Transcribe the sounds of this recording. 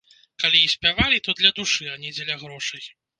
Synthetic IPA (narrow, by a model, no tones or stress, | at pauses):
kalʲiisʲpʲavalʲit̪ɔd̪lʲɐd̪uʂɨanʲid͡zʲɛlʲɐɣɾɔʂɨj